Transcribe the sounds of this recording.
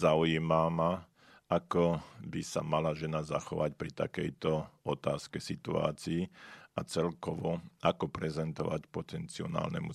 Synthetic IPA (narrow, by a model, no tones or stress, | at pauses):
zaujiːmama | ʔakɔbisa̰malaʒɛnazaxɔʋacpɾit̪a̰kɛjt̪ɔɔt̪aːskɛsit̪ua̰ːt͡siːʔat͡sɛlkɔʋɔʔakɔpɾɛzɛnt̪ɔʋacpɔt̪ɛnt͡siɔ̰na̰ːlnɛ̰mu